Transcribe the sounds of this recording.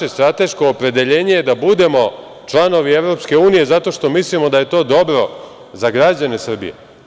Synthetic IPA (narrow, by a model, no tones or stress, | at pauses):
est̪ɾat̪e̞ʃko̞ːpɾe̞d̪e̞ʎe̞ːɲejed̪abud̪e̞mo̞ | t͡ʃlˠano̞ʋieʋɾo̞pske̞uːnije̞zat̪o̞ʃt̪o̞mislimo̞d̪aje̞t̪o̞ːd̪o̞bɾo̞ | zaɡɾad͡ʑane̞sr̩bḭjḛ